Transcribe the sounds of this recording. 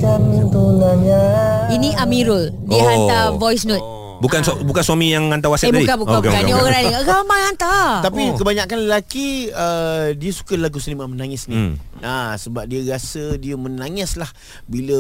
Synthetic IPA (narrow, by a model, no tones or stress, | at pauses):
kamit̪olaɲainĩʔamiɾə | diəɦant̪avɔjsnɔt̪ | bukansbukansuamijaŋːant̪awasatedabdikabuaknĩoaɾadioɣaamaŋant̪at̪apikəbaɲakanləlakiədiəsu̥kəlaɡusənimamənaŋɪsnĩ | asəbap̚diəɾasədiəmənaŋɪslah | bilə